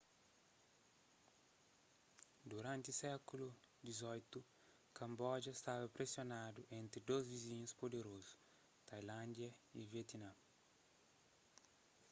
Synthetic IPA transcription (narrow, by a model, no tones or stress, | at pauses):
d̪uɾãnt̪ɪusɛkulu | d̪izɔjt̪u | kɐ̃mbɔd͡ʒɐst̪avɐpɾesjonad̪uʔẽnt̪ɾid̪ozviziɲuspod̪eɾozu̥ | t̪ajlãnd̪jɐivjet̪inã